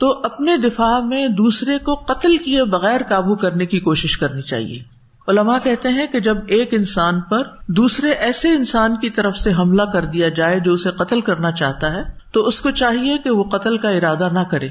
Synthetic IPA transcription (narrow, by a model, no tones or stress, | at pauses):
t̪oːʔɐpned̪ɪfaːmẽd̪uːsɾekoqɐt̪əlkiebɐɣɛːɾkaːbukɐɾnekikoːʃɪʃkɐɾnit͡ʃa̰ːɦḭḛː | ʊlɐmakɛɦt̪eɦɛ̃ked͡ʒɐbeːkɪnsaːnpɐɾd̪uːsɾeʔɛːseɪnsaːnkit̪ɐɾəfseɦɐmlakɐɾd̪ijad͡ʒaːed͡ʒoːʊseqɐt̪əlkɐɾnat͡ʃa̰ːɦt̪aɦɛːt̪oʊskot͡ʃaːɦiekeʋoqɐt̪əlkaɪɾaːd̪anɐkɐɾḛː